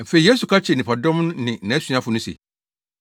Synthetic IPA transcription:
m̩˨fe˨i˨je˦su˨kʰa˦t͡ɕʰnɪ̃˨pʰa˨dɔ̃˦m̃˦nɪ̃˨nã˨˦sɥã˦fʊ˨nʊ̃˦sḛ˨

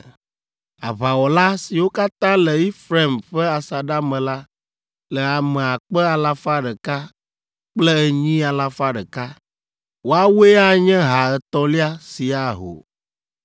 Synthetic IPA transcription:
a˨βa˨wɔ˨la˦si˨wo˦ka˦t̪ã˦lɛ˨i˦fɾe˦˨mɸɛ˦a˨sa˨ɖa˦mɛ̃˨la˦ | lɛ˨a˨mɛ̃˨a˨k͡pɛ˦a˨la˦fa˦ɖɛ˨ka˦ | k͡plɛ˦ɛ˦ɲĩ˦a˨la˦fa˦ɖɛ˨ka˦ | wo˦a˦we˦a˦ɲɛ̃˦ɦa˨ɛ˨t̪ɔ̃˦li˦a˦si˨a˨ɦo̰˨

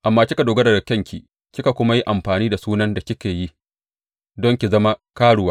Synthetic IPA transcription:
ʔa˨mːaː˦kʲɪ˦ka˨doː˨ɡɐ˦dɐ˨dɐ˨kɐ˦ŋkʲi˨ | kʲɪ˦ka˨kʷʊ˦ma˦ji˦ʔa˨mɸaː˨niː˦da˨suː˦nɐ˦nda˨kʲɪ˦kʲeː˨ji˦ | dɔ˦ŋkʲi˨zɐ˦ma˦kaː˦ɽʊ˦waː˦

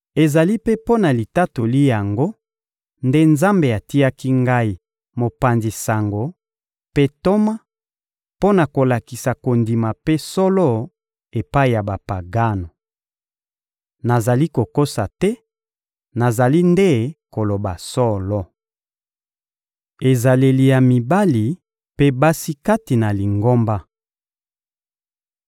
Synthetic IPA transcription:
e˨za˨li˦pe˦po˦na˨li˨ta˦to˨li˦ja˨ŋɡo˦ | nde˦nza˦mbe˨a˨ti˦a˦ki˦ŋɡa˦i˨ | mo˨pa˨nzi˨sa˨ŋɡo˨ | pe˦to˦ma˦ | po˦na˨ko˨la˨ki˨sa˨ko˨ndi˨ma˨pe˦sɔ˦lɔ˦ | e˨pa˦i˨ja˨ba˨pa˨ɡa˦no˨ | na˨za˨li˦ko˨ko˦sa˨tɛ˦ | na˨za˨li˦nde˦ko˨lo˨ba˨sɔ˦lɔ˦ | e˨za˨le˨li˨ja˨mi˨ba˦li˨ | pe˦ba˦si˦ka˦ti˨na˨li˨ŋɡo˦mba˦

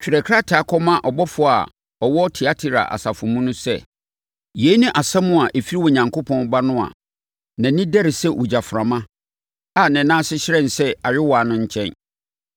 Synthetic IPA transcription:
t͡ɕᶣi˨ɾɛ˨kʰɾa˦tʰɪ˨a˨kʰɔ˦mã˦ʔɔ˨bɔ˦fʊ˨a̰˨ | ɔ˨wɔ˦tʰɪ˨a˦tʰɪ˨ɾa̰˨ʔa̰˨sa˨fʊ̃˨mũ˦nʊ̃˦sɛ̰˦ | je˨˦nʊ̃˦ʔa˨sɛ̃˦mʊ̃˦a˨ʔe˨fi˦ɾi˦wɔ˨ɲã˨ŋkʰo˦pʰɔ̃˦n˦ba˦nʊ̃˦a̰˨ | nã˨nĩ˦dɛ˦ɾɪ˨sɛ˦wʔu˨d͡ʑa˨fɾã˨mã˦ | a˨nɪ̃˨nãː˦sɪ˦ɕɪ˦ɾɛ̃˦˨n˨sɛ˦a˨ɥɪ˦wa˨nʊ̃˦ɲ̩˦t͡ɕʰɛ̃˦n

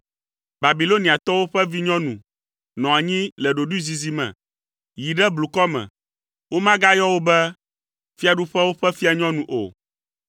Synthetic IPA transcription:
ba˨bi˨lo˦nĩ˨a˨t̪ɔ˦wo˦ɸɛ˦vi˦ɲɔ̃˦nũ˨ | nɔ̃˨a˨ɲĩ˦lɛ˨ɖo˨ɖu˦zi˨zi˨mɛ̰̃˨ | ji˨ɖɛ˦blu˨kɔ˦mɛ̰̃˨ | wo˦mã˦ɡa˦jɔ˦wo˦bɛ˦ | fi˦a˨ɖu˦ɸɛ˦wo˦ɸɛ˦fi˦a˨ɲɔ̃˦nũ˨ʔo̰˨

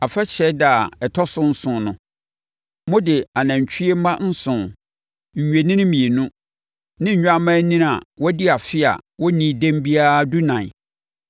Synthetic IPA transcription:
a˨fɛ˦t͡ɕʰɛ˦da˨ɛ˨tʰɔ˦sʊ̃˦n̩˦sʊ̃˨nʊ̃˨ | mʊ̃˦dɪ˨a˨nã˨ɲ˨t͡ɕᶣʰi˦e˦m̩˦mã˦n̩˦sʊ̃˨ | ɲ̩˨ɲᶣe˨nɪ̃˦ɪ̃˦mĩ˨e˨nũ˦ | nɪ̃˦ɲ̩˨ɲᶣ˦a˦mã˦nĩ˦a˨wɔ˦dɪ˦a˨fɪ˦a̰˨wɔ˦nĩ˨dẽ˦mbi˦a˦du˦nã˨

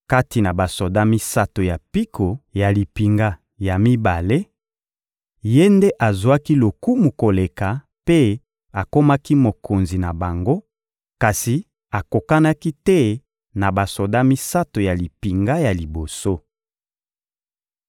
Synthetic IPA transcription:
ka˦ti˨na˨ba˨so˨da˦mi˦sa˦to˨ja˨pi˦kʰo˨ja˨li˨pi˨ŋɡa˦ | ja˨mi˦ba˨le˦ | je˦nde˦ʔa˨zwa˦ki˦lo˨ku˦mu˨ko˨le˨ka˨ | pe˦ | a˨ko˦ma˦ki˦mo˨ko˨nzi˨na˨ba˨ŋɡo˦ | ka˨si˨ | a˨ko˨ka˦na˦ki˦tɛ˦ | na˨ba˨so˨da˦mi˦sa˦to˨ja˨li˨pi˨ŋɡa˦ja˨li˨bo˨so˦

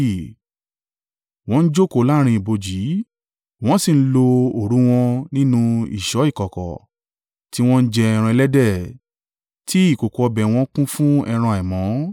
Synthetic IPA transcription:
w̃ɔ̃˧n̩˦d͡ʒo˦˨ko˨˦la˦ɾ̃ĩ˧i˨bo˧d͡ʒi˨˦ | w̃ɔ̃˦si˦˨n̩˦lo˧o˨ɾũ˨˦w̃ɔ̃˧nĩ˦nũ˧ḭ˨ʃɔ˨˦i˦˨kɔ˨kɔ̰˨ | ti˦w̃ɔ̃˦n̩˦d͡ʒɛ˧ɛ˧ɾ̃ã˧ɛ˧lɛ˦dɛ˦˨ | tʰi˦i˦˨ko˨ko˨ɔ˧bɛ˨w̃ɔ̃˧˦kũ˦fũ˦ɛ˧ɾ̃ã˧˨ɛ˨mɔ̃˨˦

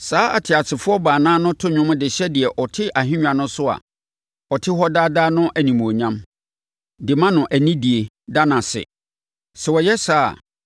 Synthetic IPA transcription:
saː˨˦a̰˨tʰɪ˨a˨sʰɪ˨fʊ˦ɔ˦baː˨nãː˦nʊ̃˦tʰʊ˦ɲᶣʊ̃˦m˦dɪ˨ɕɛ˦di˨ɛ˨ʔɔ˨tʰɪ˦ʔa˨ɦɪ̃˦ɲᶣã˨nʊ̃˦sʊ˦a̰˨ | ɔ˨tʰɪ˦ɦɔ˦daː˦daː˦nʊ̃˦ʔæ˨nĩ˨m˨o˨ɲã˦m | dɪ˨mã˦nʊ̃˨ʔæ˨nĩ˦di˨e˨ | da˦nã˨sɪ̰˨ | sɛ˨wɔ˨jɛ˦sa̰ː˦˨

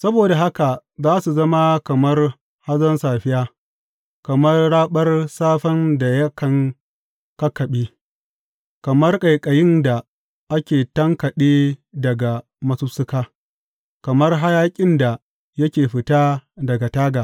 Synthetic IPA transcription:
sɐ˦boː˨da˨ɦa˦ka˨zaː˦su˨zɐ˦ma˦kɐ˨mɐ˦r | ha˦zɐ˦nsaː˨ɸɪ˦jaː˦ | kɐ˨mɐ˦rɽaː˦ɓɐ˦rsaː˦ɸɐ˦nda˨jɐ˦kɐ˨ŋ | kɐ˦kːɐ˨ɓiː˦ | kɐ˨mɐ˦rkʼɐ˨jkʼɐ˨jɪ˦nda˨ | ʔa˦kʲeː˨tɐ˦ŋkɐ˨ɗeː˦dɐ˨ɡa˨ | mɐ˦su˦sʊ˦kaː˦ | kɐ˨mɐ˦rɦa˦jaː˦kʲʼɪ˦nda˨ | jɐ˦kʲeː˨ɸɪ˨taː˦dɐ˨ɡa˨taː˦ɡaː˨

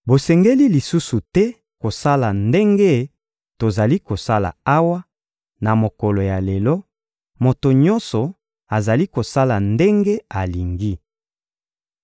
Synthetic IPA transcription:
bo˨sɛ˨ŋɡe˦li˦li˨su˦su˨tɛ˦ | ko˨sa˦la˨nde˦ŋɡe˦ | to˨za˨li˦ko˨sa˦la̰˨a˦wa˦ | na˨mo˨kɔ˨lo˨ja˨le˨lɔ˦ | mo˨to˨ɲɔ˦nsɔ˨ | a˨za˨li˦ko˨sa˦la˨nde˦ŋɡe˦a˨li˨ŋɡi˦

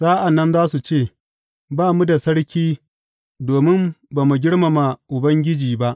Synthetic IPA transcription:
z̥aː˦ʔa˨nːɐ˦nzaː˦su˨t͡ʃeː˦˨ | baː˦mu˦da˨sɐ˦ɽkʲiː˦ | doː˨mɪ˦mbaː˨mu˨ɡʲɪ˦ɽma˨ma˨ʔʊ˨bɐ˦ŋɡʲɪ˦d͡ʒiː˨ba˦ʔ

